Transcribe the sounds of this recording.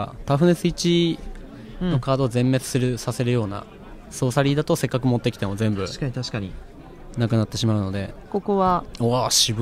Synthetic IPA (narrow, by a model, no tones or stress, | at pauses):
t̪aɸɯ̟nesɨit͡ɕi | ño̞kaːd̪o̞ːzẽ̞mːe̞t͡sɨ̥sɨɾɯ̟sase̞ɾɯjo̞ːna̰ | so̞ːsaɾʲid̪at̪ose̞kːak̬ɯ̟mo̞t̪ːekʲi̥t̪e̞mo̞zẽ̞mbɯ̟ɕkaɲ̟it̪aɕi̥kaɲ̟i | nakɯ̟nat̪ːe̞ɕimaɯ̟no̞d̪e̞̰ko̞koβaoaɕib